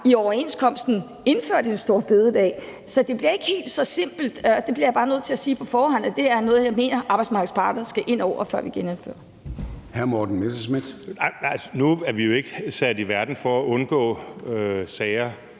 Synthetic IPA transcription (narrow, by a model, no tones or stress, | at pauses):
iɒʊɐe̝nskʰɒ̽m̰sd̥n̩ | e̝nføɐ̰d̥ensd̥o̝ɐ̰b̥e̝ðˠəd̥ɛ̰ːsɒ̽d̥e̝b̥liɐe̝ɡ̥he̝̰ːld̥sɒ̽se̝m̰b̥l̩d̥d̥e̝b̥liɐjab̥ɑ̈ːnøð̰ˠt͡sʰe̝æsiːpʰɒ̽fɒːhɒ̽n̰æd̥e̝æɐnɔ̽ːð̞̩ˠjɑaɪme̝̰ːnɐʔɑ̈b̥ɑ̈ɪdsmɑ̈ɡð̩ˠspʰɑ̈ɡ̥ɐsɡ̥æʔe̝n̰ɒʊ̰ɐfɶɐ̰ʋiɡ̥enefø̰ɐ | hæɐmɒd̥n̩mesəsmid̥ɪæsnuæɐʋijo̝e̝ɡ̥əsæd̥iʋæɐd̥n̩fɒæʔɔ̽nɡ̥ɔ̰̽ːøsɛːɪɐ